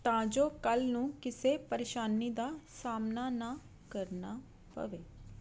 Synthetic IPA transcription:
t̪ãːd͡ʒoːkəlnũːkɪseːpəɾeːʃaːniːd̪aːsaːmnaːnãː | kəɾnaː | pə̰ʋeː

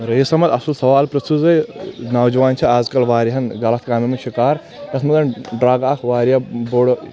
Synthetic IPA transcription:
ɾɐjisɐmɐt̪ɐsulsɐʋaːlpɾɐst̪uzɐjnaːwd͡ʒɐʋaːnt͡ʃʰɐaːzkɐlʋaːɾiɦɐnɡɐlɐt̪ʰkaːmimeʃikaːɾ | t̪ɐsmɐd̪ɐnɖɾaːɡaːkʰʋaːɾijɐboːɽ

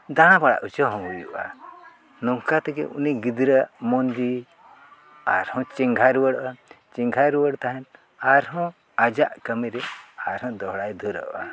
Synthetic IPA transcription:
d̪ããbaɽa̰ʔut͡ʃəɦɔ̃ɦujṵʔa̰ | nɔŋkat̪ɛkɛ̰ʔṵniɡid̪ɾəmɔnd͡ʒi | a̰ɾhɔ̃t͡ʃiŋɡʱaɾwəɽʔa | t͡ʃiŋɡʱaɾuwəɽt̪aɦɛn | aɾɦɔ̃ | ad͡ʒaʔkəmiɾɛaɾɦɔ̃d̪ɔɦɽajd̪ʱuɾə̰ʔʔa

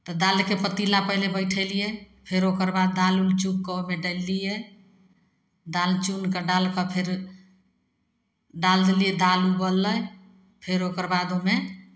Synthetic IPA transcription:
t̪ɔd̪alkepət̪ilapəɦlebəjʈʰəlijɛ | pʰeɾokəɾbad̪ːalult͡ʃukkəmeɖəlːijɛ | d̪alt͡ʃunkəɖalkəpʰeɾ | ɖald̪lijɛd̪alubəlːəj | pʰeɾokəɾbad̪ome

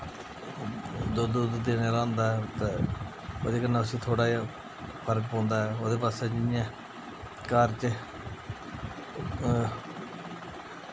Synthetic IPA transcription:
d̪oːd̪uːd̪d̪eːneɾãːnd̪aːɛt̪eː | o̰ːd̪eːkənːaːʊsĩːt̪ʰoːɽaː | pʰəɾkpõːnd̪aːɛoːd̪eːpaːseːd͡ʒɪjã | kaːɾt͡ʃ

